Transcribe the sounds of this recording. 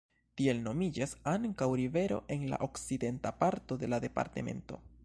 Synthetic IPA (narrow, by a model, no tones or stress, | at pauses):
t̪ie̞lno̞mid͡ʒasaŋkawɾive̞ɾo̞̰ʔe̞nla̰ʔo̞ksid̪e̞ntapaɾto̞d̪e̞lad̪e̞pa̰ɾt̪ḛme̞̰nto̞̰